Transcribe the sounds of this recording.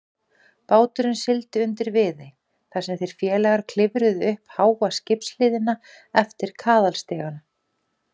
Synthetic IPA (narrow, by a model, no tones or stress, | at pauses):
paːwt̪ʏɾʏnsɪlt̪ɪʏnt̪ɪɾvɪðɪ | θasɛmθejɾ̥fjɛːlɛɣaɾ̥kʰl̥ɪvɾʏðʏhphaːwvascɪpslɪːðɪna | ɛft̪ɪɾ̥kʰaːðalst̪ɛːɣan